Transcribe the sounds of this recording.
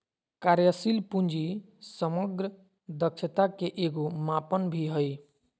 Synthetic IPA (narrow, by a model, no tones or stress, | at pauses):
kaɾjəsilpund͡ʒi | səməɡɾə | d̪əkʃʰət̪akeʔeɡomapənbʱiɦəj